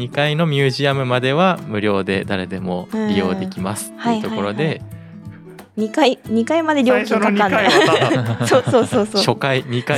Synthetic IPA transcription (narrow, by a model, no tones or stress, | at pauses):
ɲikaino̞mʲɨːʑiamɯ̟mad̪e̞βamɯ̟ɾʲjo̞ːd̪e̞̰d̪aɾe̞d̪e̞mo̞̰ɾʲijo̞̰ːe̞kʲimasɨ̥t̪ːhaiɯt̪o̞kko̞ɾo̞d̪e̞ | ɲ̟ikaiɲ̟ikaimad̪e̞ɾʲjo̞ːkʲiãn | sosoːsoːsoɕo̞kaiɲika